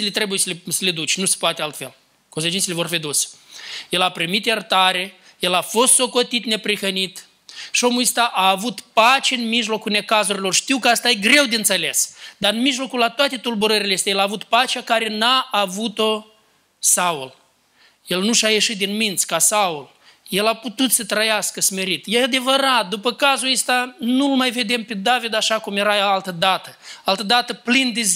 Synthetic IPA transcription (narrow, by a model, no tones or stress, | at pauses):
elet̪ɾe̞bujesəlesəled̪ut͡ʃʲnuse̥poat̪ealt̪fe̞̰l | kons̬et͡ʃinsʲelevo̞rfid̪osjelapɾimit̪jert̪aɾe | je̞lafo̞st̪so̞ko̞t̪it̪ne̞pɾixənit̪ | ʃio̞muist̪aʔaːvut̪pat͡ʃeɨnmiʒlo̞kulne̞kazuɾilo̞rʃt̪iwkəast̪ajeɡɾe̞wd̪eɨnt̪sele̞sd̪aɨnmiʒlo̞kulːat̪oat̪e̞t̪ulbuɾəɾilest̪ejelaːvut̪pat͡ʃeakaɾe̞naːvut̪o | saul | je̞lnuʃajeʃit̪̚d̪inmint̪sʲkasaul | je̞laput̪ut̪sət̪ɾəjaskəsme̞ɾit̪jead̪e̞vəɾat̪̚d̪upəkazulest̪anulmajve̞d̪e̞mped̪avid̪aʃakumjeɾaalt̪əd̪at̪əalt̪əd̪at̪əplind̪e